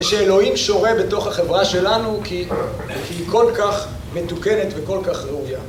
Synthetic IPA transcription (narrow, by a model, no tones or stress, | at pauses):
ʃeːlo̞imʃo̞ʁe̞beto̞χhaχevʁaʃe̞lanuki | kiikʰo̞lkaχ | me̞t̪ukenetveko̞lkaχʁeuja